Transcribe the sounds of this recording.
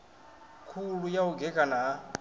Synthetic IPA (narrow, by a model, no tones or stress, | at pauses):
kʰulujauɡɛkʼana